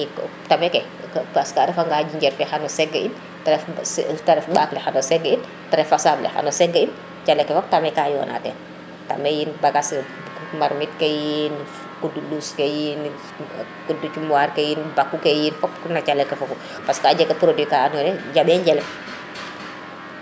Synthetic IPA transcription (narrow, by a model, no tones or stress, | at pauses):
ik | tamɛkɛ | paskaɾɛfaŋɡaɟiɲɟɛrfɛxanɔsɛɡːəin | taɾɛftɐɾɛfɓaklɛxanɔsɛɡəin | tɐɾɛfasablɛ̰xa̰nɔsɛɡəin | t͡ʃalɛkːɛfɔk̚tamɛkaːjɔ̰ːnʔa̰ːtɛ̰n | ta̰mɛjinbakas | maɾmit̚kejin | kuduluskejin | kudut͡ʃumaɾkejinbakːukejinfɔknɐt͡ʃalɛkɛfɔku | paskaːɟɛkɛpɾodikaanɔnɛɟaɓɛɲɟɛlɛm